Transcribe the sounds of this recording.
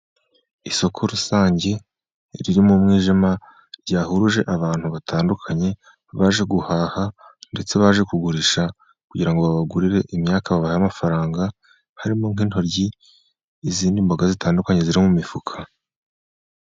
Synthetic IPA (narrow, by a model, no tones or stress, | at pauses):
iso̞kʰo̞ɾusaːɲɟe̞ | ɾiɾimumŋiːʒima | ɾɟaːhuɾuʒe̞ʔaβaːn̥huβatʰaːndukʰaɲe̞ | βaːʒe̞ɡuhaːhande̞t͡se̞βaːʒe̞kuɡuɾiʃa | kuɟiɾaŋɡo̞βaβaɡuɾiɾe̞ʔimɲaːkaβaβahajamafaɾaːŋɡa | haɾimo̞ŋ̥iːnho̞ɾɟiː | ziːndimbaɡazitʰaːndukaɲe̞ziɾimumifukʰa